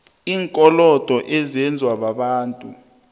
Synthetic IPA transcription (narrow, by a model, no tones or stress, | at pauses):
iːŋkʼɔlɔd̥ʱɔʔɛzɛnd͡zʱwaɓaɓaːntʼu